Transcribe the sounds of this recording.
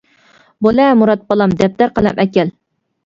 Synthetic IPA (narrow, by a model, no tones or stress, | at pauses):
bolɛmuɾɑt̪̚bɑlˠɑmd̪ɛp̚t̪æɾqəlɛmʔɛkʲɛl